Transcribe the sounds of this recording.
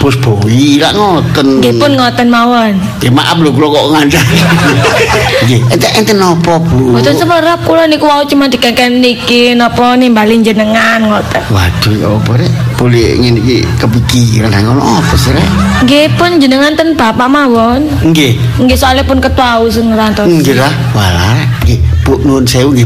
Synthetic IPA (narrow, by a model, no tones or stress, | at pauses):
pʊsb̥oila̰ʔŋɔt̪ənŋɡepʊnŋɔt̪ənmawɔn | d̥̪ima̰ʔap̚lokulɔkɔʔŋaɲd͡ʒaŋ | ŋɡeɛnt̪ɛʔɛnt̪ɛnɔpɔbubɔt̪ɔnsəməɾap̚kulɔnikuwaut͡ʃumand̪ikankənnikinɔpɔnimbaliɲd͡ʒənəŋanŋɔt̪ənwa̰d̥uɔ̰pɔɾɛʔpolɪ̰ŋɛnikḭkəpikiɾansaŋɔlɔ̰ŋɔpɔsiɾɛ̰ | ŋɡepʊnd͡ʒənəŋant̪ənb̥apaʔmawɔn | ŋɡe | ŋɡesɔalɛpʊnkət̪uaus̬ɪŋɾant̪ɔɡelah | wala̰ɾɛ | ɡepuʔnunsauŋɡe